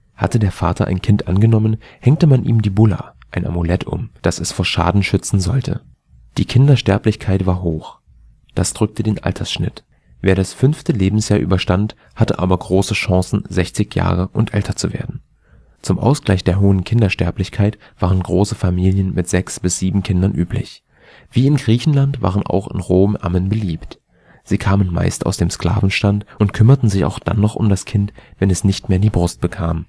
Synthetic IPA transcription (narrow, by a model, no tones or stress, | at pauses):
hatədeːɐfa̰ːtʰɐʔa̰ɪnkʰɪntʔa̰nɡənɔmən | hɛŋtəmanʔḭːmdiːbʊla̰ | ʔaɪnʔa̰mulɛtʰʊ̰md̥asɛsfoːɐʃa̰ːdn̩ʃʏt͡sn̩zɔltʰə̰ | d̥iːkʰɪndɐʃtɛɐplɪçkʰaɪtv̥aːɐɦoːx | d̥asd̥ʁʏk̚tədeːnʔa̰ltʰɐsʃnɪt | veːɐɾasfʏnftəleːbm̩sjaːɐʔy̰ːbɐʃtant | hatəʔa̰ːbɐɡʁoːsəʃɑ̃ŋsn̩zɛçt͡sɪçja̰ːʁ̞əʔʊntʔɛltʰɐt͡suvḛːɐdn̩ | t͡sʊmʔa̰ʊsɡ̥laɪçd̥eːɐɦoːənkʰɪndɐʃtɛɐplɪçkʰaɪt | v̥aːʁənɡʁoːsəfamiːljənmɪtz̥ɛksb̥ɪsz̥iːbm̩kʰɪndɐnʔyːpʰlɪ̰ç | v̥iːɪnɡʁiːçn̩lantv̥a̰ːʁ̞ənʔa̰ʊxɪ̰nʁoːmʔa̰mənbəliːpt | z̥iːkʰaːmənma̰ɪsta̰ʊsd̥eːmskl̥a̰ːvn̩ʃtantʊntkʰʏmɐtn̩zɪça̰ʊxd̥a̰nːɔχʊ̰mdaskʰɪntv̥ɛnɛsnɪçtmeːɐdiːbʁʊst̚b̥əkʰaːm